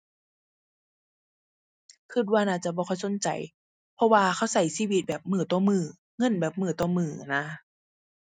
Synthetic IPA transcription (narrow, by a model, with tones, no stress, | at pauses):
kʰɯ˧˩t̪̚waː˧naː˧˩t͡ɕa˧˨bɔː˧kʰɔ˧˩˨jso˨˧˦nt͡ɕa̰˨˩j | pʰɔ˧waː˧kʰa˧˩wsa˨˩jsiː˧˥˨wi˧t̪̚bɛː˨˩p̚mɯː˧˩t̪ɔː˧˦mɯː˧˩ | ŋɤ˧˥˨nbɛː˨˩p̚mɯː˧˩˦t̪ɔː˧˩mɯː˨˩na˧˥